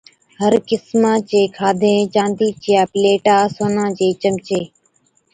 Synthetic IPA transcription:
ɦəɾkɪsmãːt͡ʃeːkʰaːd̪ʱẽːt͡ʃãːnd̪iːt͡ʃɪjaːpleːʈaːsoːnãːd͡ʒeːt͡ʃəmt͡ʃeː

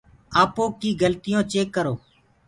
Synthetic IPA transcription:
aːpoːkiːɡəlt̪ɪjõːt͡ʃeːkːəɾoː

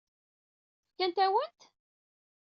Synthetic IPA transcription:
fkːænt̪æwənt̪

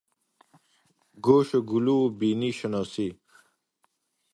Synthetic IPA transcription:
ɡoːɕeɡulubiːniɕɐnoːsi

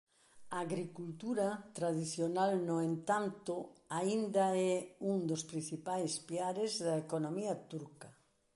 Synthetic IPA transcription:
aaːɣɾikult̪uɾɐt̪ɾaðiθjonalnoent̪ant̪ʊaind̪ɐɛuŋd̪ospɾin̟θipajspiaɾezðɐekonomiɐt̪uɾkɐ

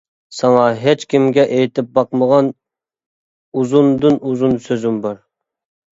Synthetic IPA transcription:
sɑŋɑɦet͡ʃkʲimɡʲɛʔejt̪ʰɪp̚bɑqməʁɑn | uzund̪ɨnuzunsøzymbɑɾ

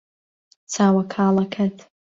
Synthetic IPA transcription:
t͡sʰaːwakʰaːlɐkʰatʰ

